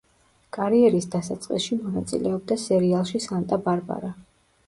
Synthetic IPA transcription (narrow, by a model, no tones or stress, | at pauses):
kʼaɾiɛɾisd̪asat̪sʼqʼḭsʃimɔnat̪sʼḭlɛɔb̚d̪asɛɾialˠʃisant̪ʼabaɾba̰ɾa